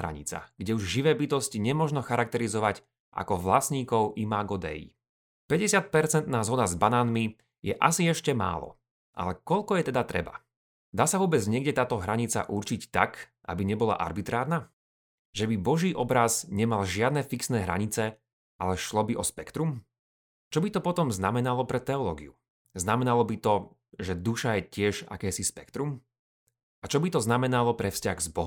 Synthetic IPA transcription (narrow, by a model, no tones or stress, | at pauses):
ɾa̰ɲḭt͡sa̰ɡ̥ɟɛuʒʒiʋɛːbit̪ɔsciɲɛmɔʒnɔxaɾak̚t̪ɛɾizɔʋac | ʔa̰kɔʋla̰sɲiːkɔʊʔimaɡɔd̪ɛ̰jḭ | pɛɟɛsɪat̪̚pɛɾt͡sɛnt̪naːzɦɔd̪azbanaːnmi | jɛʔasiɛʃcɛma̰ːlɔ̰ | ʔa̰lɛkɔʎkɔjɛt̪ɛd̪at̪ɾɛ̰ba̰ | d̪aːsaʋʊɔːbɛd͡zɲɪɛɡɟɛt̪aːt̪ɔɦɾaɲit͡sa̰ʔuɾt͡ʃict̪a̰kʔa̰biɲɛbɔla̰ʔa̰ɾbit̪ɾaːɾna | ʒɛbibɔʒiːʔɔbɾazɲɛmalʒɪad̪nɛfiksnɛːɦɾa̰ɲit͡sɛ | ʔalɛʃlɔbiʔɔspɛkt̪ɾum | t͡ʃɔbit̪ɔpɔt̪ɔmznamɛnalɔpɾɛt̪ɛɔlɔːɡiu | znamɛnalɔbit̪ɔ | ʒɛd̪uʃajɛcɪɛʒa̰kɛːsispɛkt̪ɾum | at͡ʃɔbit̪ɔznamɛnalɔpɾɛfsca̰ɣzbɔɦ